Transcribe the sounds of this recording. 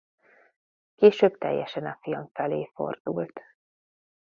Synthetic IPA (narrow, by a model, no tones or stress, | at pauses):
keːʃøːbt̪ɛ̰jːɛʃɛnɒfijɒɱfɛleːfo̰rd̪̥ult̪